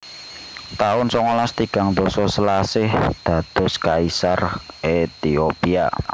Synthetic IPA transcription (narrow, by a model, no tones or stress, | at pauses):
t̪aʊnsɔŋolast̪iɡ̥a̤ŋd̪ɔsɔsəlasɪhd̪̥ä̤d̪̥ɔ̤skaisaret̪iopia